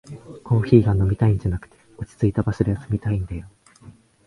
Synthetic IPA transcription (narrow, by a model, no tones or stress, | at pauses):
kʰo̞ːçiːɡano̞mʲit̪aĩɲ̟d͡ʑanakɯ̥t̪e̞̥ot͡ɕi̥t͡sɨit̪abasɨɾeasɨmʲit̪aĩnd̪ajo̞